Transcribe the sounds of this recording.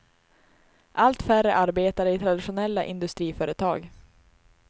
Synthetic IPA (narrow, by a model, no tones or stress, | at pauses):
ʔalt̪færəʔaɾbeːt̪aɾɪt̪ʰɾad̪ɪʂʊnɛlːa̰ʔɪnd̪ɵst̪ɾiːfœːɾət̪ʰɑ̰ːɡ